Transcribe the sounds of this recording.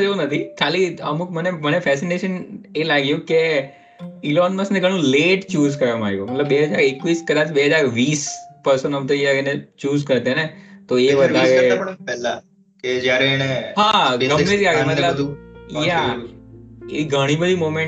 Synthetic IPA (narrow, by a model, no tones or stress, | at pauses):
d͡ʒeunət̪ʰikʰaliəmukmənemənefɛsineʃənelaɡjũke | ilɔnməsneɡʱəɽ̃ũleʈt͡ʃuːzkəɾʋamaɾjumət̪ləbːeɦəd͡ʒaɾekʋiskəd̪ãt͡ʃbeɦəd͡ʒaɾʋiːspəɾsənɦəmt̪ed͡ʒjaɾnet͡ʃuːzkəɾt̪enet̪oeʋəd̪ʱaɾeppɛlːa | ked͡ʒjaɾeːneɦaɡəmːed͡ʒkaɡemət̪ləbja | ḛiɡʱəɽ̃ibəd̪ʱimomẽɳ